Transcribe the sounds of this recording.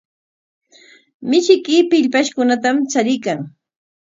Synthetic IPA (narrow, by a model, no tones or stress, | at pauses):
mɪʃɪkɪpɪʎpaʃkʊnat̪amt͡saɾɪjkaŋ